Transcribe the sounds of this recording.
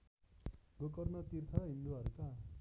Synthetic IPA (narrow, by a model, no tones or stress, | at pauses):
ɡokʌrnʌt̪irt̪ʰʌɦĩnd̪uʌɾut̪a